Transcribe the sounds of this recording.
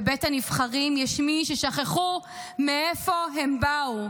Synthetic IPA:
betanifχaʁimjeʃmiʃeʃaχeχu | meefo̞ɦembau

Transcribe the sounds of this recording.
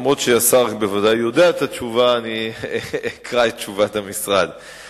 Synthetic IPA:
mʁod̪ʃejasakbevadajːo̞d̪eaet̪at͡ʃuvaːni | kʁaet̚t͡ʃuvatamisʁad̪

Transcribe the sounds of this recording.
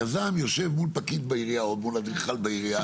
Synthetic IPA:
azamjo̞ʃe̞vmulpakit̪̚baiʁiaod̪mulad̪ʁiχalbaiʁia

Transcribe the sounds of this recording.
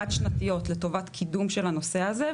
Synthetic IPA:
ad̪ʃnat̪ijo̞tleto̞vat̪kʰidumʃelano̞se̞aze

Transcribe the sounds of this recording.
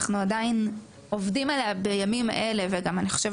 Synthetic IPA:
χnuadain | ovdimaleabejamima̰ʔe̞le̞veɡamaniχo̥ʃev

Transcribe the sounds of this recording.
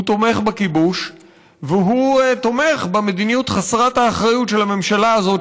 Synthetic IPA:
ut̪o̞me̞χbakibuʃ | veɦut̪ome̞χbeme̞d̪inijut̪χasʁathaːχʁajutʃe̞lame̞mʃalaːzo̞

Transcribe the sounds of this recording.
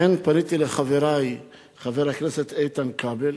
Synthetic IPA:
enpanit̪ileχaveɾaj | χaveɾhakneset̪ejt̪ankabel

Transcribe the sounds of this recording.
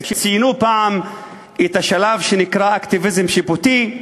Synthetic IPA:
ʃt͡sijnupaʕam | ʔet̪aʃalavʃenikʁaʔakt̪ivizemʃibut̪i

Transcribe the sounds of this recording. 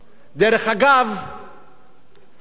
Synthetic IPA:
d̪eɾeχaɡav

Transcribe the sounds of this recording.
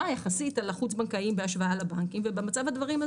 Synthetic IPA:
ajaχasitalaχut͡sbaŋkaimbeaʃvaalabaŋkimvebemat͡savad̪vaʁima

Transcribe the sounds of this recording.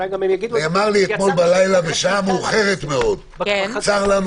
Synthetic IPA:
amaʁliet̪mo̞lbalajlaveʃamuχe̞ʁet̪meo̞d̪ | t͡saʁlanu

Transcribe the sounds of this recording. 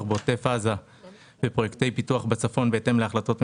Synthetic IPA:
χbeot̪efaza | bepʁojekte̞jpituaχbet͡safo̞nbeːte̞mleaχlato̞tm

